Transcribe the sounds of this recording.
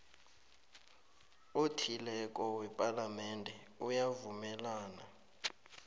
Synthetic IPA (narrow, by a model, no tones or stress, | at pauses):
otʰilɛk̬ʼɔwɛpʼalamɛndʱɛ | ujavumɛlaːna̰